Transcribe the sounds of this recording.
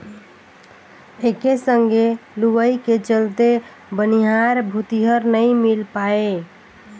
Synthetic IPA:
ekesəŋɡeluʋəjket͡ʃəlt̪e | bəniɦaɾbʱut̪iɦəɾnəjmilpae

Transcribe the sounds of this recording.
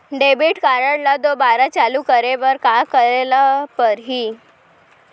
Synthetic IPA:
ɖebiːʈkaɾəɽlad̪obaɾat͡ɕaluːkəɾeʋəɾkakəɾelapəɾɦiː

